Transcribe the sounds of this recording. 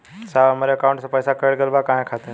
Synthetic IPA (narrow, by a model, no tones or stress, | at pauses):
saməɾeəkawũɳʈsapəjsakəɽɡəlbakãːj̃kʰat̪e